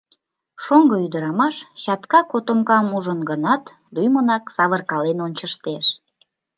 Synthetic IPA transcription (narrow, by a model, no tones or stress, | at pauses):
ʃoŋɡəyd̪əɾɑmɑʃt͡ɕɑt̪kɑkot̪omkɑmuʒənɡənɑt̪ | d̪ujmənɑksɑβərkɑlenont͡ɕəʃt̪eʃ